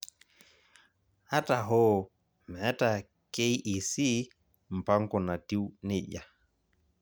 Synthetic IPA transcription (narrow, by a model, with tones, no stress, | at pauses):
a˦ta˨ɦɔ˦˨ | mɛ˨˦ta˨ | ke˦jʔi˨si˦ | m̩˨pa˦ŋkɔ˨na˨ti˦wne˦ʄa˨